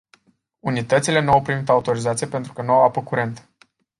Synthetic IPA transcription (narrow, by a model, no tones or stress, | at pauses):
unit̪ət̪sile̞nuawpɾimit̪aut̪o̞ɾizat̪sijepe̞nt̪ɾu̥kənuawapəkuɾe̞nt̪